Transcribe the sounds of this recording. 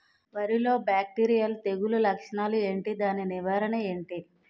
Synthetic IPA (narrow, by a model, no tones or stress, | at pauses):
ʋɐɾilo̞ːbaːk̚ʈiːɾijɐlt̪e̞ɡululɐkʂɐɳaːlue̞ːɳʈid̪aːniniʋaːɾɐɳɐe̞ːɳʈi